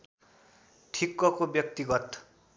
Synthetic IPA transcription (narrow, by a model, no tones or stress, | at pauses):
ʈʰikːʌkobjʌk̚t̪iɡʌt̪